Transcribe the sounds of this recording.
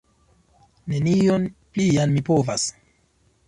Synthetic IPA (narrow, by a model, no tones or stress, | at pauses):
ne̞nionplianmipovas